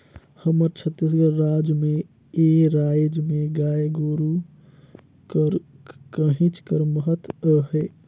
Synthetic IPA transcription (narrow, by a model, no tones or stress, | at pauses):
həməɾt͡ʃʰət̪ːisɡəɾːaːd͡ʒmẽ | eːɾaːjd͡ʒmẽɡaːjɡoːɾu | kəɾ | kəɦĩt͡ʃkəɾməɦət̪əɦɛː